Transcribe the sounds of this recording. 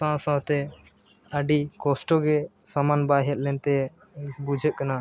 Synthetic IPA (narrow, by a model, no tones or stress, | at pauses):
sãsãɦt̪ɛ | əɖikɔsʈɔɡɛsamanbaɦɛt̪̚ˀlɛnt̪ɛ | bud͡ʒʱət̪̚kana